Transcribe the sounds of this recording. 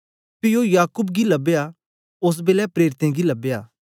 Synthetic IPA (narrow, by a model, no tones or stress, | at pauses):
pɪjojaːkʊbɡilɐbeja | ʊs̬beːlɛpɾeːɾɪt̪ẽɡilɐbejaː